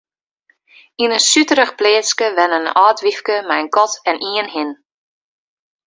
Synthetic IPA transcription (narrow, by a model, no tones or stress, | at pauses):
inənsytəɾəχpleːətskəʋɛnənɔːtʋifkəmɛjənkɔtɛnʔiənhɪn